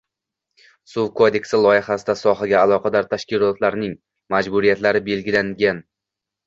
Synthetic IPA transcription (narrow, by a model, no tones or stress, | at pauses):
suwkʰod̪e̞kʲsɪlˠɒjɪχasɪd̪asɒɦaɡʲaːlˠɒqʰɑd̪aɾt̪ʰaʃkʲɪlˠɒt̪laɾnɪŋ | mad͡ʒbʊɾijat̪laɾɪbe̞lɡʲɪlaŋɡʲan